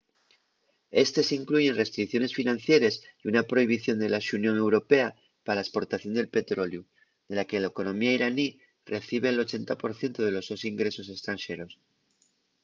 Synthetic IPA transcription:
e̞st̪esiŋkluʝe̞nre̞st̪ɾikθjo̞ne̞sfinãnθje̞ɾesiunapɾo̞iβ̞iθjo̞nd̪e̞laʃunjo̞ŋe̞wɾo̞pe̞a | paɾalaespo̞ɾt̪aθjo̞nd̪e̞lpe̞t̪ɾo̞lju | ðe̞lakelaeko̞nõ̞miaiɾani | re̞θiβ̞e̞ːlo̞t͡ʃe̞nt̪apo̞ɾθje̞nt̪oð̞e̞lo̞zðosiŋɡɾe̞so̞se̞st̪ɾanʃe̞ɾo̞s

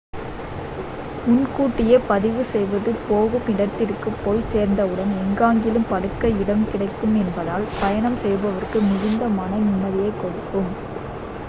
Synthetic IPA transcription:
mʊnkuːʈːɪjɐpɐðɪʋɯsɛjʋɐðɯpoːɣɯmɪɽɐt̪ːɪrkːɯpːoːjseːɾnd̪ɐɯɽɐnɛŋɡaːŋɡɪlɯmpɐɽɯkːɐɪɽɐmkɪɽɐɪkːɯmɛnbɐðaːlpɐjɐɳɐmsɛjbɐʋɐrkɯmɪɣɪnd̪ɐmɐːnɐnʊnːɐðɪjɐɪkːɔɽɯkːɯm

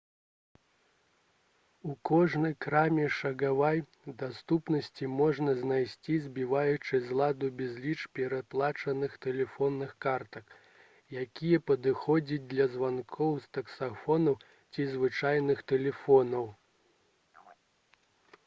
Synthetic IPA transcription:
ukɔʐnɐjkɾamʲɛʂɐɣavaj | d̪ast̪upnɐsʲt͡sʲimɔʐnɐznajsʲt͡sʲizʲbʲivajut͡ʂɨzlˠad̪ubʲɛzʲlʲit͡ʂpʲɛɾaplˠat͡ʂɐnɨxt̪ɛlʲɛfɔnːɨxkart̪ɐk | jakʲijɛpɐd̪ɨxɔd͡zʲid͡zʲd̪lʲɐzvankʰɔwst̪ɐksafɔnɐw | t͡sʲizvɨt͡ʂajnɨxt̪ɛlʲɛfɔnɐw

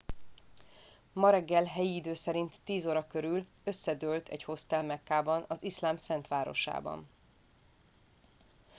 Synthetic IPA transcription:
mɒɾɛɡːɛlɦɛjiːd̪øːsɛɾint̪ːiːzoɾɒkø̞ɾyl | ø̞sːɛd̪ølt̪ɛ̰ɟho̞st̪ɛlmɛkːaːbɒnɒziʃlaːmsɛnt̪ʋaːɾo̞̰ʃa̰ːbɒ̰n

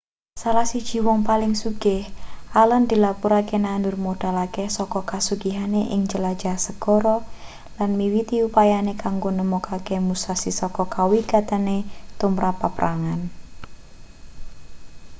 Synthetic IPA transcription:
salahsid̥ʒ̥i̤wɔŋpalɪŋsuɡ̥ɪhʔalənd̪̥ilapuɾakenandʊrmod̥a̤lakesɔkɔkasuɡiɦaneʔɪŋt͡ʃəladd͡ʒasəɡ̥ɔɾɔ | lanmiwit̪iupajanekaŋɡonəmukʰakemusasisɔkɔkawikat̪ənet̪umɾapːapəɾaŋan

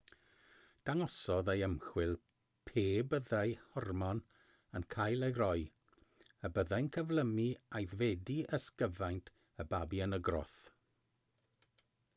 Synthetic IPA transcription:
d̥aŋɔsɔðejəmχwɪlˠ | pʰeːbəðajhɔrmɔn | ənkʰajlˠejɾɔj | əbəðajnkʰəvlˠəmiajðvɛdiəskəvajntʰ | əbabiənəɡrɔ̰θ

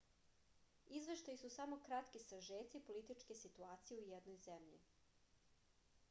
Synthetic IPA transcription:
izʋe̞ʃt̪ajisusamo̞kɾat̪kisaʒeːt̪sipo̞lit̪it͡ʃkesit̪uaːt̪sijeujed̪nojzemʎḭ

